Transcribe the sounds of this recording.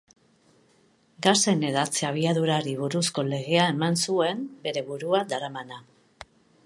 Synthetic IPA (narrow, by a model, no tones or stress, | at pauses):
ɡase̞ne̞ðat͡seaβ̞iaðuɾaɾiβuɾusko̞le̞ɣe̞ae̞mansue̞mbe̞ɾe̞βuɾuad̪aɾamana